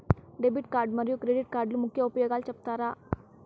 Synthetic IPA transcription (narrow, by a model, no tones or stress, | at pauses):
ɖeːbiʈkaːɾɖmɐɾjukɾeːɖiʈ̚kaːɾɖlumʊkʰjaopjəɡaːlt͡ʃɐp̚t̪aɾaː